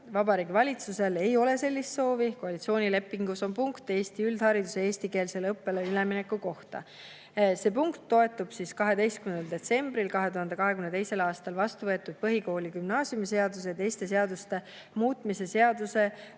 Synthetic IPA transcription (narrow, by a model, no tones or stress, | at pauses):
vɑbɑɾiːɡivɑlʲit̪suse̞le̞jo̞le̞se̞lːist̪so̞ːviko̞ɑlit̪sio̞ːnʲile̞pːˑiŋɡ̥uso̞npuŋkt̪e̞ːst̪iyld̪̥hɑɾid̪use̞eːst̪ike̞ːlse̞lɤpːe̞leyleminekːˑuko̞ht̪ɑ̰ | se̞ːpuŋkt̪ːo̞e̞t̪ːub̥siskɑɦe̞d̪e̞jst̪kymend̪eld̪e̞t̪se̞mb̥ɾilkɑɦe̞t̪uhɑnd̪ekɑɦe̞kymnet̪e̞jse̞lɑːst̪ɑlvɑst̪uvɤ̞et̪ːˑud̪̥̚pɤɦiko̞ːlʲikymnɑːsjumise̞ɑd̪̥us̬et̪ejst̪e̞s̬e̞ɑd̪̥ust̪e̞ | muːt̪mise̞se̞ɑd̪̥use̞